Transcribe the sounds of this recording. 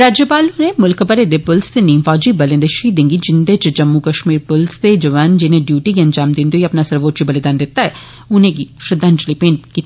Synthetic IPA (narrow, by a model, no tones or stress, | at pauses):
ɾaːd͡ʒjəpaːlunemʊlkpəɾed̪epʊlst̪eniːmfɔːd͡ʒiːbəlẽnd̪eʃiːd̪ɪ̃ŋɡid͡ʒɪnd̪eːt͡ʃd͡ʒəmːukəʃmiːɾpʊlst̪ed͡ʒəʋaːnd͡ʒɪnẽːɖjuːʈikiɐnd͡ʒaːmd̪ɪ̃nd̪ioiɐpnaːsəɾʋoːʈt͡ʃibəlɪd̪aːnd̪ɪt̪ːaːɛ | ʊnẽːɡiːʃɾɪd̪ʱə̃nt͡ʃliːpẽːɳʈkiːt̪ii